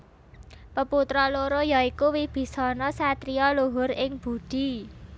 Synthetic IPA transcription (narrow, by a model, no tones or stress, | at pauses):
pəput̪ɾɔloɾojaikuwib̥i̤sɔnɔsat̪ɾiɔluɦʊɾɪŋb̥ṳd̪̥i̤